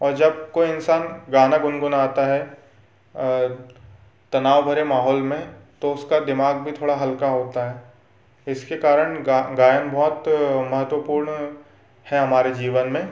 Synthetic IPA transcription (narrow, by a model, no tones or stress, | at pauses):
ɔːɾd͡ʒɐb̚koɪnsaːnɡaːnaɡʊnɡʊnaːt̪aɦɛ | t̪ɐnaːʋbʱɐɾemaːɦɔːlmẽt̪oʊskad̪ɪmaːɡ̚bʱit̪ʰoːɽaɦɐlkaɦoːt̪aɦɛː | ɪskekaːɾəɽ̃aɡaːjənbʱɔːt̪mɐɦət̪wəpuːɾɳ | hɛɦɐmaːɾed͡ʒiːʋənmẽ